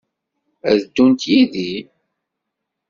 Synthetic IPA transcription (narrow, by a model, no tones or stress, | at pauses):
æðəd̪ːunt̪jiði